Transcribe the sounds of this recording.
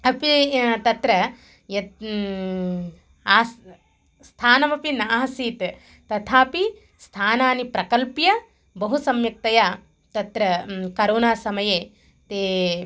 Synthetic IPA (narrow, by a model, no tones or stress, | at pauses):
ɐpit̪ɐt̪ɾɐ | jɐ | aːs | st̪ʰaːnɐmɐpinaːɦɐsiːt̪ | t̪ɐt̪ʰaːpi | st̪ʰaːnaːnipɾɐkɐlpjɐ | bɐɦusɐmjɐk̚t̪ɐjaː | t̪ɐt̪ɾɐkɐɾoːnaːsɐmɐjeː | t̪eː